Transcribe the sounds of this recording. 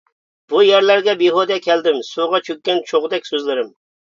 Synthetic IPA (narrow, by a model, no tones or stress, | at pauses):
b̥ujɛɾlæɾɡʲɛbiɦod̪ɛkʲʰɛld̪ɪmsuʁɑt͡ʃʰøkʲːɛnt͡ʃʰoʁd̪ɛkʲsøzlɪɾɪm